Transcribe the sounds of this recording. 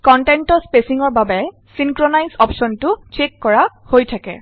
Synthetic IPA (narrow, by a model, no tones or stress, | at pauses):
kɔntɛntɔspesiŋɔɹbabɛ | siŋkɹonajzɔpsɔntʊt͡ʃekːɔɹa | hojtʰakɛ̰